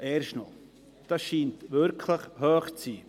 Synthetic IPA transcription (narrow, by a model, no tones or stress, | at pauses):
ʔɛːɾʃtno̰ | d̥ɑsʃiːntʋʏɾkʰləχhøːχt͡siː